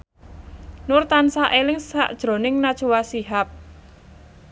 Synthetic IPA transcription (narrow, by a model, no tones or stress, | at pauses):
nʊrt̪ansaʔelɪŋsa̰ʔd̥ʒ̥ɾo̤nɪŋnad̥ʒ̥uwasiɦap̚